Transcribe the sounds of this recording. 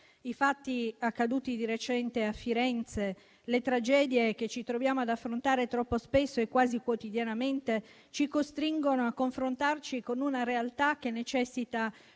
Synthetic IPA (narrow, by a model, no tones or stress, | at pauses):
ifat̪ːiakːad̪uːt̪id̪iɾet͡ʃɛnt̪eafːiɾɛnt̪se | let̪ɾad͡ʒɛːd̪jek̟et͡ʃit̪ɾovjaːmoad̪afːɾont̪aːɾet̪ɾɔpːospesːoekːwaːzikwot̪id̪janament̪e | t͡ʃikost̪ɾiŋɡonoakːoɱfɾont̪art͡ʃikonunaɾealt̪ak̟ːenːet͡ʃɛsːit̪a